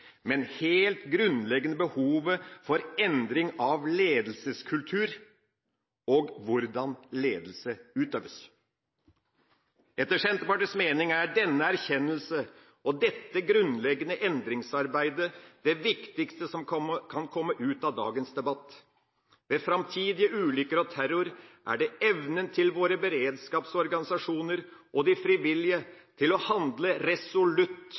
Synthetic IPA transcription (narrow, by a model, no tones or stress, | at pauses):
mɛnheːlt̪ɡɾʉnlɛɡənəbəhuːʋəfɔɾɛnd̪ɾɪŋɑʋleːd̪l̩səskʰʉlt̪ʰʉːɾ | ɔɡʋʊɾd̪ɑnleːd̪l̩səʉːt̪øːʋəs | ɛt̪ːəʂɛnt̪bɑːʈəsmeːnɪŋæɖɛnːəæɾçɛnːəlsə | ɔd̪ɛt̪ːəɡɾʉnlɛɡənəʔɛnd̪ɾɪŋsɑɾbæɪd̪əd̪̥ɛʋɪkt̪ɪkst̪əsɔmkʰɑnkʰɔmːəʔʉːt̪ɑd̪ɑ̰ːɡənsd̪ɛbɑt̪ː | ʋɛfɾɑmt̪ʰiːd̪ɪəʔʉːlʏkəɾɔt̪ʰæɾʊɾʔæ̰ɖɛɛʋnənt̪ʰɪlʋoːɾəbəɾeːd̪skɑːpsɔɾɡɑnɪsɑʂuːnəɾʔɔd̪ɪfɾɪʋɪljət̪ʰɪlɔhɑnd̪ləɾɛsʊlʉt̪ː